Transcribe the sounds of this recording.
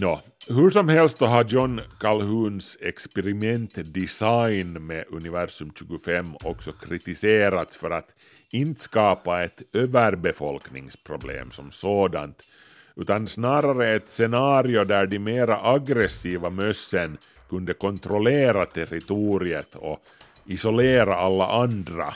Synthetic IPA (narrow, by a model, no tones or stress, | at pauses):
jɑː | ɦɵʂɔmɦɛlst̪̚sɔɦajɔnkʰalhʉːnsɛkspɛɾɪmɛnt̪d̪ɪsajnmɛʔɵnɪvæɾʂɵmɕʉ̟ːɡʊfɛmːɔksɔkʰɾɪt̪ɪseːɾat̪sfœɾat̪ | ɪnt̪ə̥skɑːpaɛt̪øːvəɾbɛfɔlknɪŋspʰɾʊblḛːmsɔmsoːd̪a̰nt̪ | ʉːt̪ansnɑːɾaɾəɛt̪sɛnɑːɾɪʊd̪æɖɪmeːɾaʔaɡɾɛsiːvamœsːən | kɵnd̪əkɔnt̪ɾɔleːɾat̪ʰɛɾɪt̪uːɾɪət̪ʰɔ̰ | ɪsɔleːɾaalːa̰ʔand̪ɾa̰